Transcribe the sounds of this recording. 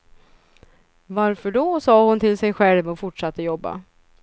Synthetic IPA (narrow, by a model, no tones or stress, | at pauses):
vaɾfœɖɔsɑːhʊnt̪ʰɪlsɛjɧɛlvɔfʊʈʂat̪ːəjɔbːa̰